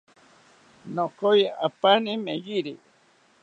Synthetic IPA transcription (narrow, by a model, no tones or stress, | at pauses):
nokojaapanimeɣiɾi